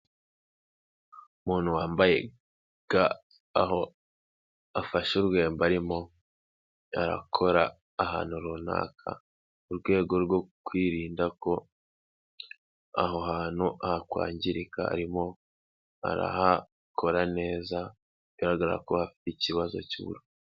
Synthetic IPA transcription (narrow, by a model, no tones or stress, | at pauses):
muːn̥huwaːmbaje̞̰ | ɡ̥a | aɦo̞ | afaʃuɾwe̞ːmbaɾimo̞ | a̰ɾa̰kʰo̞ɾaː | ɦa̰ːnhuɾuna̰ːkʰa̰ | uɾɡwe̞ːɡo̞ɾwo̞kwiːɾiːndako̞ | aɦo̞ɦaːn̥huʔahakwa̰ːɲɟiɾikaa̰ɾimo̞ | a̰ɾa̰ha | ko̞ɾane̞ːza | juɾaɡaɾa̰ko̞hafi̥t̪iciβazo̞̰ciβṵɾu